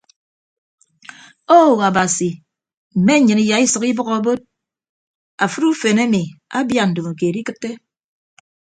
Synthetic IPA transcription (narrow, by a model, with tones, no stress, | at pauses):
o˦˨ɣa˨ba˨si˨ | m̩˨me˦ɲɨ˨ni˨ja˨i˦sɨ˨ki˦bɔ˦ɣɔ˦bo˦t̚ | a˨fɨ˦ɾu˦fe˨ne˦mi˨a˦bja˦˨n̩˨do˨ma˨k̬e˨ɾi˦kɨ˦tːe˦